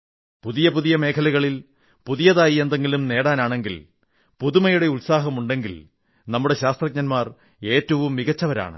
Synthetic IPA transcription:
puðijɐpuðijɐme̞ːkʰɐlɐɣɐɭil | puðijɐðaːjiend̪e̞ŋɡilumne̞ːɽaːnaːɳe̞ŋɡil | puðumɐjuɽe̞ulsaːɦɐmuɳɖe̞ŋɡil | nɐmːuɽe̞ɕaːst̪rɐk̚ɲɐnmaːr | e̞ːtːɐʋumːiɣɐt͡ɕːɐʋɐɾa̰ːɳɨ̰

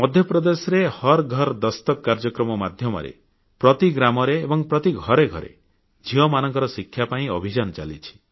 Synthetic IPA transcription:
mɔd̪ʱjɔpɾɔd̪esɔɾehɔɾɡʱɔɾd̪ɔst̪ɔkːaɾd͡ʒɔkɾɔmɔmad̪ʱjɔmɔ̰ɾḛ | pɾɔt̪iɡɾamɔɾeːbɔŋpɾɔt̪iɡʱɔɾeɡʱɔ̰ɾḛ | d͡ʒʱiwɔmanɔŋkɔɾɔsikʰːjapaĩɔ̰bʱid͡ʒanɔt͡ʃa̰lḭt͡ʃʰi̥

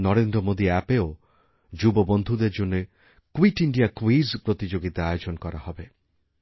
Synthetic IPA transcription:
nɔɾend̪ɾɔmod̪iɛpeo | d͡ʒubɔbɔnd̪ʱud̪eɾd͡ʒone | kwiʈiɳɖiakwizpɾɔt̪id͡ʒoɡit̪aajod͡ʒɔnɔkɔɾahɔbe

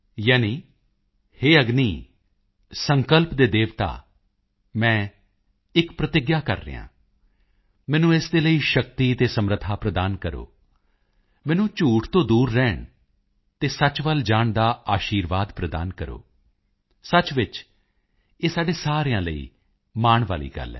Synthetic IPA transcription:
jaːniː | heːəɡniː | səŋkəlpd̪eːd̪eːʋt̪a̰ː | mɛ̃ː | ɪkpɾət̪ɪɡjaːkə̰ɾːə̰jã̰ː | mɛ̃ːnũːesd̪eːləiːʃəkt̪iːt̪eːsəmɾət̪ʰaːpɾəd̪aːnkəɾo̰ː | mɛ̃ːnũːt͡ʃuːʈʰt̪õːd̪uːɾːɛːɳ | t̪eːsət͡ʃʋəld͡ʒaːɳd̪aːaːʃiːɾʋaːd̪pɾəd̪a̰ːnkəɾo̰ː | sət͡ʃʋɪt͡ʃ | eːsaːɖeːsaːɾejãːləḭː | maːɳʋa̰ːlḭːɡə̰lɛ̰ː

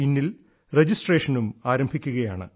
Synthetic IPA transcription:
inːil | red͡ʑisʈre̞ːʂɐnumaːɾɐmbʱikʲːuɣɐjaːɳɨ̰

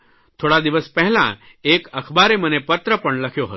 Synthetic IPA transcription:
t̪ʰoɽad̪iʋəspɛɦlã̰ | ekəkʰbaɾemənepət̪ɾəpəɳləkʰjoɦə̰t̪

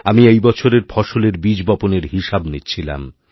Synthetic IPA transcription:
amiejbɔt͡ɕʰoɾeɾfʰɔʃoleɾbid͡ʑbɔponeɾɦiʃabnit͡ɕʰila̰m

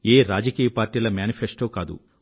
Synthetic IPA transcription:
eːɾaːd͡ʒɐkiːjɐpaːɾʈiːlɐmjaːnipʰesʈoːkaːd̪ṵ

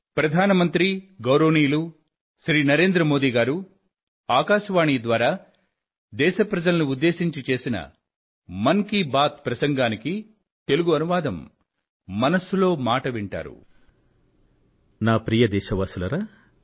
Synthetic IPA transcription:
pɾɐd̪ʱaːnɐmɐnt̪ɾiɡɐwɾoːniːlu | ʃɾiːnɐɾe̞ːnd̪ɾɐmo̞ːd̪iːɡaːɾu | aːkaːʃɐʋaːɳiːd̪ʋaːɾaː | d̪ɛːʃɐpɾɐd͡ʒɐlɐnuːd̪ːe̞ːsiɲt͡ʃit͡ʃe̞ːsinɐ̰ | mɐŋkibaːt̪̚pɾɐsɐŋɡaːniki | t̪e̞luɡuɐnuʋaːd̪ɐmː | ɐnɐsulo̞ːmaːʈɐʋiɳʈa̰ːɾṵ | naːpɾijɐd̪ɛːʃɐʋaːsulɐɾaː

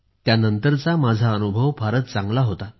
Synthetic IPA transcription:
t̪janənt̪əɾt͡samad͡zʱaənubʱəʋbʱaɾət̪̚t͡sãŋɡlaɦot̪a

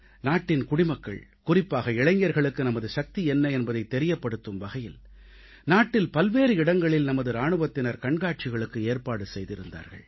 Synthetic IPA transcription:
naːʈːɪnkʊɽɪmɐkːɐ̰ɭkʊrɪpːaːɣɐɪɭɐɲjɐɾɣɐɭɯkːɯnɐmɐðɯʃɐk̚t̪iɛnːɐɛnbɐðɐɪt̪ːɛɾɪjɐpːɐɽɯt̪ːɯmʋɐɣɐjɪl | naːʈːɪlpɐlʋeːɾɯɪɽɐŋɡɐɭɪlnɐmɐðɯɾaːɳɯʋɐt̪ːɪnɐɾkɐɳɡaːʈ̚t͡ʃɪɣɐɭɯkːɯeːɾpaːɽɯsɛjðɪɾɯnd̪a̰ːɾɣɐ̰ɭ

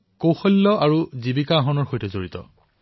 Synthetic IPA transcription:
kowxɔlːɔaɹuzibikaːɦɔnɔɹxojtɛzoɹit̪ɔ̰

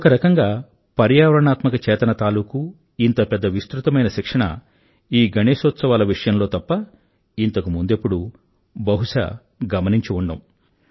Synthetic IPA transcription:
ɔkɐɾɐkɐŋɡaː | pɐɾjaːʋɾɐɳaːt̪mɐkɐt͡ʃɛːt̪ɐnɐt̪aːluːku | int̪ɐpɛd̪ːɐʋist̪ɾut̪ɐmɐjnɐʃikʂɐɳɐ̰ | iːɡɐneːsot̪sɐʋaːlɐʋiʂɐjɐmlo̞ːt̪ɐpːɐ | int̪ɐkumund̪epːuɽu | bɐɦuʂɐ̰ | ɡɐmɐniɲt͡ʃiuɳɖɐm

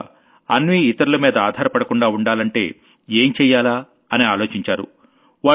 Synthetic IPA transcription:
ɐ̰nʋiːit̪ɐɾulɐmiːd̪ɐaːd̪ʱaːɾɐpɐɽɐkuɳɖaːuɳɖaːlɐɳʈe̞̰ː | eːmt͡ʃɛːjːaːlaː | ɐniaːloːt͡ʃiɲt͡ʃaːɾṵ | ʋaː

